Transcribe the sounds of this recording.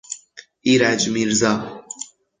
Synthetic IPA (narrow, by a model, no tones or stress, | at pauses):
iɾad͡ʒmiɾza